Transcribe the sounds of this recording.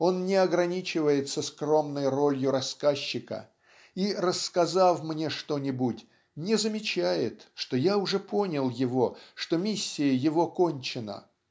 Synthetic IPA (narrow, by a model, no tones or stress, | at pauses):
o̞nnʲɪɐɡɾɐnʲit͡ɕɪvəjɪt̪səskro̞mnəjro̞lʲjʊɾɐskaɕːɪkə̰ | irəskɐzafmnʲe̞ʂt̪o̞nʲɪbutʲ | nʲɪzəmʲɪt͡ɕæjɪt̪ʂt̪o̞jaʊʐɛpo̞nʲɪlˠjɪvo̞ʂt̪o̞mʲisʲːɪjəjɪvo̞ko̞nʲt͡ɕɪnə̰